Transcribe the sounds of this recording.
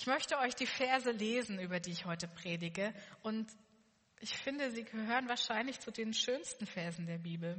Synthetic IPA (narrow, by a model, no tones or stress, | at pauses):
ʔɪçmœçtəʔɔʏçd̥iːfeɐzəleːzn̩yːbɐdiːɪçhɔʏtəpʁ̥eːdɪɡəʔʊnt | ʔɪçfɪndəziːɡəhɦøːʁənvaːɐʃaɪnlɪçt͡sudeːnʃøːnstn̩fɛɐzn̩deːɐbiːbl̩